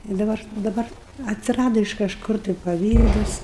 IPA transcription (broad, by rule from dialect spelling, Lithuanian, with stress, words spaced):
ɪ dɐˈbɐr dɐˈbɐr ɐtʲsʲɪˈrɑːdoː ɪʃ kɐʃˈkʊr tɐɪ pɐˈʋʲiːdɐs